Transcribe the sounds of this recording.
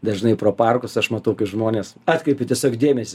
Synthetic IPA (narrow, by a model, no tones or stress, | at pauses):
d̪ɐʒnɐɪpɾoːpɐrkʊsɐʃmɐt̪ɐʊkɐɪʒmoːnʲeːsɑːt̪kɾɐɪpʲɪtʲiɛsʲoːkdʲeːmʲɛsʲɪ